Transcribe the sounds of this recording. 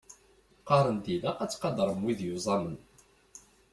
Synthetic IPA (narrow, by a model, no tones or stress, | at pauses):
qɑɾˤənt̪ilæqæt͡sːqɑd̪əɾˤəmwiðjuzˤɑmən